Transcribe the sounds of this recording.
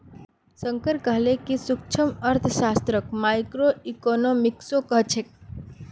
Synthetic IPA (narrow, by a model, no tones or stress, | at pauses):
səŋkəɾkəɦlekisʊk̚t͡ʃʰəməɾt̪ʰʃast̪ɾəkmajkɾoikonomiksokəɦt͡ʃʰek̚